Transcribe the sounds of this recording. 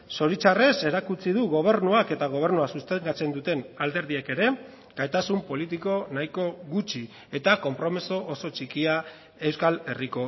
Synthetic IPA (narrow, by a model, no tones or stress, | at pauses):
so̞ɾit͡ʃare̞se̞ɾakut͡siðuɣo̞β̞e̞ɾnuake̞t̪aɣ̞o̞β̞e̞ɾnuasust̪eŋɡat͡se̞nd̪ut̪e̞nald̪e̞ɾð̞ieke̞ɾe̞ | ɡ̥ajt̪asumpo̞lit̪̬iko̞naiko̞ɣut͡ʃi | e̞t̪ako̞mpɾo̞meso̞ʔːso̞t͡ʃikia | e̞wskale̞riko̞